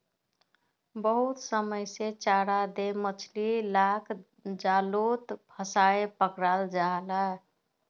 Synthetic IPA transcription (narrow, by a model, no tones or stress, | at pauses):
bəɦut̪səməjset͡ʃaɾad̪emət͡ʃʰlilakʰ | d͡ʒalot̪pʰəsaepəkɾald͡ʒala